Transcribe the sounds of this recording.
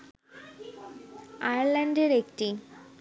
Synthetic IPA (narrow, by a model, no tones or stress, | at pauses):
ajəɾlaɳɖeɾekʈi